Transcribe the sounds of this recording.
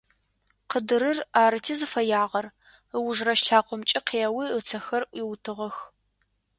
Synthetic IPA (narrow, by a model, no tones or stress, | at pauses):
qədɨɾɨraːɾɨtʰiːzɨfɐjaːʁɐr | əwʊʒrɐʃɬaːqʷɔmt͡ʃʼɪqʰeːɐwiət͡sʰɐxɐrʔʷjiwtʰɨʁɐx